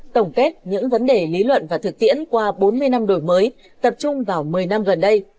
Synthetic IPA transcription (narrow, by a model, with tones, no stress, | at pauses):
t̪ə˧˩wŋ͡mke˦˥t̚ɲɨ̰˧˥ŋvə˨˦nɗe˨˩li˨˦lwə̰˧˨nvaː˨˩t̪ʰɨ˨˩k̚t̪ḭ˧˥ənkwaː˧ɓo˨˦nmɨ˧əjna˧mɗo˧˩jməː˨˦j | t̪ə˨˩p̚t͡ɕʊ˧ŋ͡mvaː˨˩wmɨ˨˩əjna˧mɣə˨˩nɗə˧j